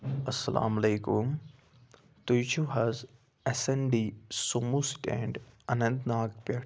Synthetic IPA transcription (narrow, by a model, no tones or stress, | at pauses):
ɐsːɐlʔa̰ːmɐleːkum | t̪ujt͡ʃʰuɦɐz | ɐsɐɳɖisumusʈɛ̰̃ɳɖɐnɐ̃nt̪naːɡ̚pɐʈ